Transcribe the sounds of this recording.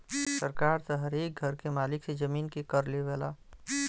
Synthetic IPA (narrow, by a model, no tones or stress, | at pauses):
səɾkaːɾtaɦəɾeːk̚ɡʱəɾkemaːlɪksed͡ʒəmiːnkekəɾleʋɛːlaː